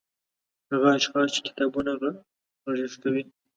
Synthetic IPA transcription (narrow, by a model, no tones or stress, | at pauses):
haɣaːʃxɑst͡ʃe̥kɪ̥t̪ɑbunaɣa | aʒɪst̪awi